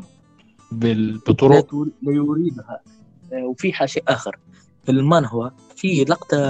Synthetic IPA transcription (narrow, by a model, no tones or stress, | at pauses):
bɪbɨt̪ˤːʊɾuːt̪lijʊɾiːd̪ha | wfiħaʃiʔaːxɪɾ | bɪlmanɦwa | filɑqt̪